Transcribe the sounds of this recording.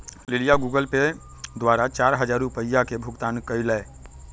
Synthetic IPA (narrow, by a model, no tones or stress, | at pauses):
lilijaɡuɡəlpe | d̪ʋaɾat͡ʃaɾɦəd͡ʒaɾupəjːakebʱuɡt̪ankəjlɛ